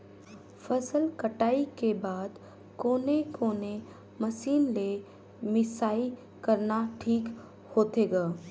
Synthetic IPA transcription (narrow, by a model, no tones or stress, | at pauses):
fʰɐsəlkəʈaːikebaːd̪ | koːnekoːne | mɐsiːnle | mɪsaːi | kɐɾnaʈʰiːk | hoːt̪eɡaː